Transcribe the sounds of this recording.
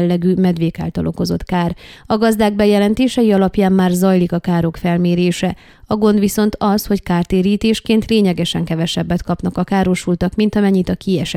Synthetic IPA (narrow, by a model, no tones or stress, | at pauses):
lːɛɡyːmɛd̪ʋeːka̰ːlt̪ɒlʔoko̞zo̞t̪kaːrɒɡɒzd̪aːɡ̚bɛjɛlɛnt̪eːʃɛjiɒlɒpjaːmːaːrzɒjlikɒkaːɾo̞kfɛlmeːɾeːʃɛ | ɒɡo̞nd̪ʋiso̞nt̪ɒsho̞ckaːrt̪eːɾiːt̪eːʃkeːnt̪leːɲɛɡɛʃɛŋkɛvɛʃɛbːɛt̪kɒpnɒkɒkaːɾo̞ʃult̪ɒkmint̪ɒmɛɲːit̪ɒkiɛʃɛ